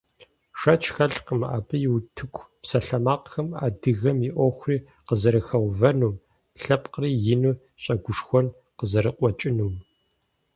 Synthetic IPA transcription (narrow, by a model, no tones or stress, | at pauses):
ʂɐt͡ʃʰʼxɐɬqəmʔa̰ːpɨjɪwtʰɨkʷʰpsɐɬɐmaːqxɐmaːdɨɣɐmjiʔʷɔxʷriː | qəzɐɾɨxɐwvɐnuːm | ɬɐpqəriːjɪnu | ɕʼɐɡʷʊʂxʷɔn | qəzɐɾɨqʷʼɔt͡ʃʼɪnum